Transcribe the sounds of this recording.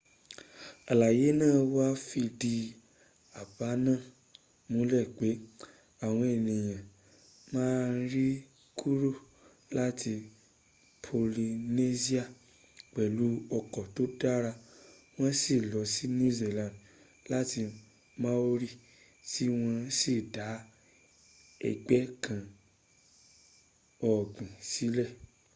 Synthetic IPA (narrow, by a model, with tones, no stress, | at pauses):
a˨la˨je˨˦nãː˦˨wa˦fi˧di˧ | a˨ba˨˦nã˦˨ | mũ˨˦lɛ˦˨k͡pe˨˦ | a˨w̃ɔ̃˧e˨nĩ˨j̃ã˨ | mãː˦nɾi˦ | kʰu˦ɾo˦˨ | la˦ti˧ | pʰo˨li˧ne˦si˦a˦˨ | k͡pɛ˨lu˨˦ɔ˧kɔ˨to˦da˦ɾa˧ | w̃ɔ̃˦si˦˨lɔ˨˧si˦nũ˦ze˧˨lã˨n | la˦ti˧ | mã˦o˦ɾi˦˨ | ti˦w̃ɔ̃˧˦si˦˨da˨˦ | ɛ̰˧˨ɡ͡bɛ˦kã˧ | ɔ˨ɡ͡bĩ˨si˨˦lɛ˦˨